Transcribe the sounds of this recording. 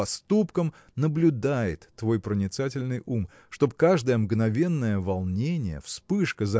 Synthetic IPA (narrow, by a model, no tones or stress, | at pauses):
ɐst̪upkəm | nəblʲʊd̪ajɪ̰t̪ːvo̞jpɾənʲɪt̪satʲɪlʲnɨjum | ʂt̪o̞bkaʐd̪əjəmɡnɐvʲe̞nːəjəvɐlˠnʲenʲɪjə̰fspɨʂkəzɐ